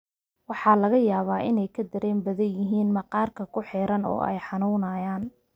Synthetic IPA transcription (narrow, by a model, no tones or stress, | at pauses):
wɑħɑːlɐɣɐjaːβaːʔɪnɛjkʰɐd̪ɐɾɛːmbɐðɐjɪɦiːnmɐqɑːrkʰɐkʰʊħɛːɾɐnɔ̰ːʔɛ̰jħɑnunɐjaːn